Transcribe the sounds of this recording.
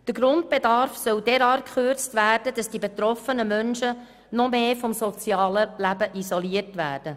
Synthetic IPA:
d̥əɡɾʊndb̥edɑɾfsœldeɾɑːrkχʏrt͡stvæːrdəd̥ɑsd̥ibet̪ɾɔfənəmœnʃə | nɔmeːfɔmsɔt͡sjɑːləlæbəʔizɔliətʋæːrd̥ə

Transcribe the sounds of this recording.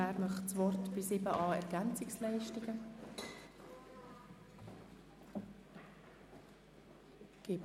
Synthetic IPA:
æːɾmœχt͡sʋɔrtb̥ɪsɪbəʔɑːɛɾɡ̥ænt͡sɪkslɛɪʃtɪɡə | ɡ̥ɪːb

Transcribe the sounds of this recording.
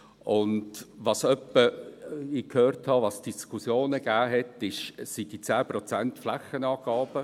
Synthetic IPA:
ʔʊndʋɑsœpːəɪkhøːrthɑʋɑsd̥iskʰusjoːnəɡ̥æːɦɛtɪʃsidit͡sæːprɔt͡sæntflæχənɑːɡ̥ɑːb̥ə

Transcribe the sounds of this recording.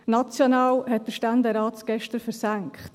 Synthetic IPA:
nɑt͡sjɔnɑːlhɛt̚d̥əʃtændɛɾɑːtɡ̥ɛʃtəɾfəɾsæŋkχt

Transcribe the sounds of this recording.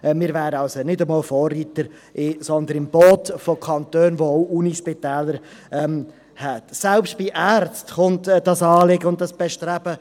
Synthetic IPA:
ɛmɪːɾvæːɾəɑlsonɪdəmɑːlfɔːrːiːtəɾ | ʔɪsɔnd̪ənɪmb̥ɔːt̪fɔkʰχɑnt̪øːnʋoɔʊʔuniʃpɪtɛːləɾ | ɛm | hɛtsælpst̚b̥iʔæːɾt͡stχʊntd̥ɑsɑːlɪɡəʊnt̚dɑsb̥ɛʃtɾæb̥ə

